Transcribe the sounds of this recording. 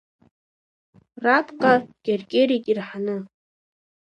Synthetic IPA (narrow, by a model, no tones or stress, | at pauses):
rapʰʼqʼaɡ̥ʲerɡʲʼeɾikʼirħanɨ